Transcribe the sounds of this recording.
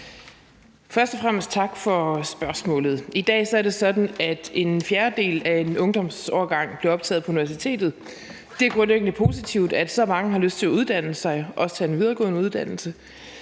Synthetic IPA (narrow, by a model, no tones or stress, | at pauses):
fɶɐsd̥ɒ̽fʁam̰əsd̥̚t͡sʰɑ̈ɡ̥fɒ̽sb̥ɶɐsmɔ̰̽ːlð̞̩ˠid̥ɛ̰ːsɒ̽æɐd̥e̝sɒ̽d̥n̩æd̥e̝nfjæɐd̥e̝̰ːlæe̝nɔ̽ŋd̥ɒ̽msɒːɐɡ̥ɑ̈ŋ̰b̥leɐɒ̽b̥t͡sʰɛ̰ːð̩ˠpʰɒ̽uniʋæɐsit͡sʰe̝̰ːd̥ð̞̩ˠ | d̥eæɐɡ̥ʁɔ̽nleɡ̥ən̩əpʰo̝ːsit͡sʰiʊ̰d̥æd̥sɒ̽mɑ̈ŋəɦɑ̈løsd̥̚t͡sʰe̝læuð̞ˠd̥æn̰əsɑ̈ɪʔɒ̽st͡sʰɛe̝nʋið̞ˠɐːɡɔ̰ːðˠnəuð̞ˠd̥æn̰l̩sə